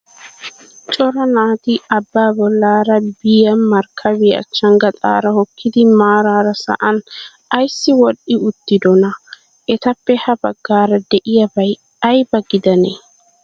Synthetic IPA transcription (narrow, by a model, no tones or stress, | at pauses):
t͡ʃʼɔɾɐnaːt̪ɪɐbːaːbɔlːaːɾɐbɪjɐnmɐɾkʰːɐβɪɐ̰t͡ʃːɐŋɡɐt̪ʼa̰ːɾɐhɔkːɪd̪ɪmaːɾaːɾɐsɐ̰ʔɐn | ɐjsːɪwɔɗɪʊt̪ːɪd̪ɔnɐ | ɛt̪ɐpːɛhɐbɐɡːaːɾɐd̪ɛʔɪjɐbɐj | ɐjbɐɡɪd̪ɐne